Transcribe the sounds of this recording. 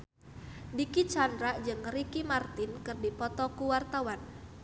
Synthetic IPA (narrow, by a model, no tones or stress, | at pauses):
dikit͡ʃandɾaʔd͡ʒɨŋɾikimart̪ɪnkɨrdipɔt̪ɔkuwart̪awan